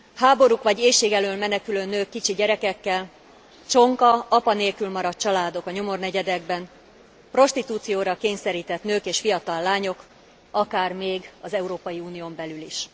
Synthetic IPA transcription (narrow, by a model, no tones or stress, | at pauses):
haːbo̞ɾukʋɒɟeːʃeːɡɛløːlmɛnɛkyløːnøːkːit͡ʃiɟɛɾɛkɛkːɛl | t͡ʃo̞ŋkɒɒpɒneːlkylmɒɾɒt̪̚t͡ʃɒlaːd̪o̞kɒɲo̞mo̞rnɛɟɛd̪ɛɡbɛn | pro̞ʃt̪it̪uːt̪sijoːɾɒkeːɲsɛɾiːt̪ɛt̪nøːkeːʃfijɒt̪ɒlːaːɲo̞k | ɒkaːrmeːɡɒzɛuɾoːpɒjiuːnijombɛlyliʃ